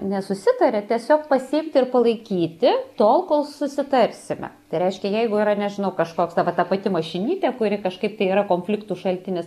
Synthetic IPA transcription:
nʲɛsʊsʲɪt̪ɐɾʲɛt̪ʲiɛsʲoːk̚pɐsʲɪɪmʲt̪ʲɪɪrpɐlˠɐɪkʲiːt̪ʲɪt̪oːlˠkoːlˠsʊsʲɪt̪ɐrʲsʲɪmʲɛ̰t̪ɐɪɾʲɛɪʃʲkʲɛjɛɪɡʊiːɾɐnʲɛʒʲɪnɐʊkɐʃkoːksd̪ɐʋɐt̪ɐpɐt̪ʲɪmɐʃʲɪnʲiːtʲɛkʊɾʲɪkɐʃkɐɪpt̪ɐɪiɾɐkoːnʲfʲlʲɪkt̪uːʃɐlʲt̪ʲɪnʲɪs

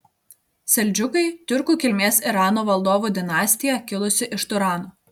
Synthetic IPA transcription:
sʲɛlʲd͡ʒʲʊkɐɪt̪ʲʊɾkuːkʲɪlʲmʲeːsɪɾɑːnoʋɐlˠd̪oːʋuːd̪ʲɪnɑːsʲt̪ʲɪjɛkʲɪlˠʊsʲɪʔɪʃt̪ʊɾɑːnoː

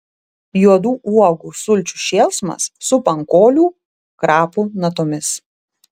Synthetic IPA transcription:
juɔd̪uːʔuɔɡuːsʊlʲt͡ʃʲuːʃʲeːlˠsmɐ̰sːʊpɐŋkoːlʲuː | kɾɑːpunɐt̪ɔmʲɪs

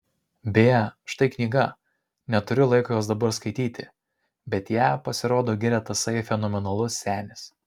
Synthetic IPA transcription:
bʲejɛʃt̪ɐɪknʲiːɡɐ | nʲɛt̪ʊɾʲʊlˠɐɪkoːjoːsd̪ɐbɐɾskɐɪt̪ʲiːt̪ʲɪ | bʲɛt̪jæːpɐsʲɪɾoːd̪oːɡʲɪɾʲɛt̪ɐsɐɪfʲɛnɔːmʲɛnɐlˠʊsːʲæːnʲɪs

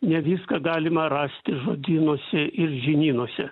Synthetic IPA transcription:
nʲɛʋʲiːskɐɡɑːlʲɪmɐɾɑːsʲt̪ʲɪʒoːd̪ʲiːnoːsʲɛʔɪrʒʲɪnʲiːnoːsʲɛ

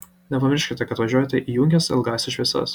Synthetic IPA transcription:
nʲɛpɐmʲɪɾʲʃʲkʲɪt̪ʲɛkɐt̪ʋɐʒʲuɔːjɛt̪ʲɛʔiːjuŋʲkʲɛsɪ̰lˠɡɑːsʲɛʃʲʋʲɛsɐ̰s

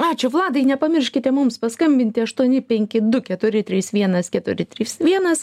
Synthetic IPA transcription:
ɑːt͡ʃʲʊʋlˠɑːd̪ɐɪnʲɛpɐmʲɪrʲʃʲkʲɪt̪ʲɛmʊmspɐskɐmʲbʲɪnʲt̪ʲɪɐʃt̪uɔnʲɪpʲɛŋʲkʲɪd̪ʊkʲɛt̪ʊɾʲɪt̪ʲɾʲiːsʋʲiɛnɐskʲɛt̪ʊɾʲɪt̪ʲɾʲiːsʋʲiɛnɐs

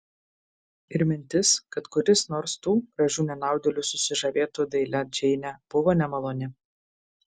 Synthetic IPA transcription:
ɪɾʲmʲɪnʲt̪ʲɪskɐt̪kʊɾʲɪsnoːɾst̪uːɡɾɐʒʲuːnʲɛnɑˑʊd̪ʲɛlʲusʊsʲɪʒɐʋʲeːt̪uːd̪ɐɪlʲɛd͡ʒʲɛɪnʲɛb̥ʊʋoːnʲɛmɐlˠoːnʲɪ

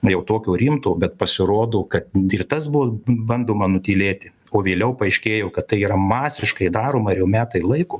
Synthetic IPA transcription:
ʊjɛʊt̪oːkʲoːɾʲiːmt̪oːbʲɛt̪pɐsʲɪɾoːd̪oːkɐt̪ɪrt̪ɐsbʊʋobɐnd̪oːmɐnʊt̪ʲiːlʲeːt̪ʲɪ | oːʋʲeːlʲɛʊpɐɐɪʃʲkʲeːjɛʊkɐt̪t̪ːɐɪiːɾɐmɑːsʲɪʃkɐɪd̪ɑːɾoːmɐɪɾjɛʊmʲæːt̪ɐɪlˠɐɪkoː

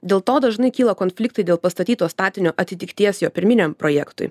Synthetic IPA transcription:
d̪ʲeːlˠt̪oːd̪ɐʒnɐɪkʲiːlˠɐkoːnʲfʲlʲɪkt̪ɐɪd̪ʲeːlˠpɐst̪ɐt̪ʲiːt̪oːst̪ɑːt̪ʲɪnʲoːʔɐt̪ʲɪt̪ʲɪkt̪ʲiɛsjoːpʲɪɾʲmʲɪnʲɛmpɾoːjɛkt̪ʊ̰ɪ

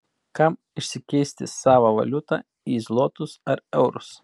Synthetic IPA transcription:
kɐm | ɪʃʲsʲɪkʲɛɪsʲt̪ʲɪssɑːʋɐʋɐ̰lʲʊt̪ɑ̰ː | iːzlˠoːt̪ʊsɐɾɛʊɾʊs

